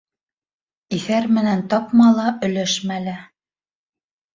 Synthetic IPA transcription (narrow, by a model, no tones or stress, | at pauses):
iθæɾmɘ̆nænt̪ɑpmɑlˠɑʔɵ̆læʃmælæ